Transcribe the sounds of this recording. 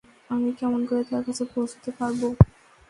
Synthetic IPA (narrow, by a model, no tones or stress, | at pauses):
amikɛmonkoɾet̪ʰaɾkat͡ɕʰepowd͡ʑo̥t̪epaɾbo